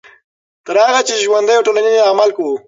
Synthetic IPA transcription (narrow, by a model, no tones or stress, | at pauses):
t̪əɾhaɣat͡ʃeʒwand̪əjawʈolanineamalkawu